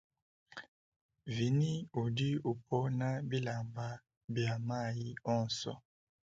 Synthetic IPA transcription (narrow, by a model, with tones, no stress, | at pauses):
vi˨ni˦u˨di˦u˨pʰɔ˦na˦bi˦la˨mba˨ | bja˨ma˦˨ji˦ɔ˦˨nsɔ̰˦